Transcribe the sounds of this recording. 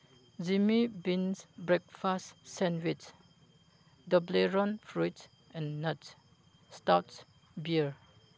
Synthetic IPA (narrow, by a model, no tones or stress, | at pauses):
zimibĩnsbɹɛk̚fastːɛ̃nwit͡ʃ | dəbleɹɔ̃nfɹuts | ɛ̃nːəts | stats | biəɹ